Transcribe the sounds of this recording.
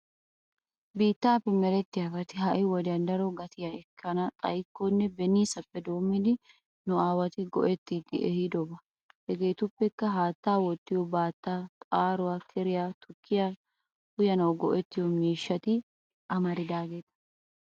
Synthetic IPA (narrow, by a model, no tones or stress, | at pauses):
biːt̪ːaːpːɛmːɛɾɛt̪ːɪhɐfɐt̪ɪɦɐʔɪwɔd̪ɐnd̪ɐɾɔɡɐt̪ɪjɐɛkʰːɐnɐt̪ʼɐjkːonːɛbɛniːsɐpːɛd̪o̞ːmːɪd̪ɪ | nʊaːwɐt̪ɪɡɔ̰ʔɛt̪ːiːd̪ɪʔɛhɪd̪ɔbɐ | hɛɡe̞ːt̪ʊpːɛkːɐɦaːt̪ːaːwɔt̪ːɪjɔbaːt̪ːaːt̪ʼaːɾʊwaːkʰɪɾɪjaːt̪ʰʊkʰːɪja | ʊjɐnɐwɡɔʔɛt̪ːɪjɔmiːʃːɐt̪ɪ | ʔɐmɐɾɪd̪aːɡe̞ːt̪ɐ̥